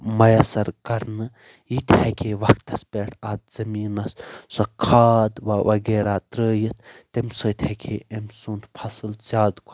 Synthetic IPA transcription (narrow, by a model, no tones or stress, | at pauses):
mɐjɐsɐɾkɐɾnɨ | jit̪ʰhekʰeːʋɐkt̪ɐspʲeːʈʰat̪̚z̥ɐmiːnɐssɐkʰaːd̪ʋɐʋɐɡeːɾaːt̪ɾəːjit̪̚ʰt̪emsɐːt̪ʰʲhekʰeːemsuːnt̪pʰɐsɨlzʲaːd̪kʰ